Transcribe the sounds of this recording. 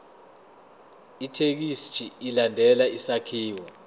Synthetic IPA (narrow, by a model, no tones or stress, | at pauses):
itʰek̬ist͡ʃʰʼiːlandʱɛlaisakʰiːwɔ